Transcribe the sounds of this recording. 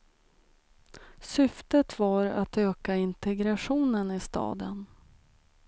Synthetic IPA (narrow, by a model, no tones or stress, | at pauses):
sʏft̪ət̪vaɾa̰t̪øːkaɪnt̪ɛɡɾaɧuːnənɪst̪ɑ̰ːd̪ə̰n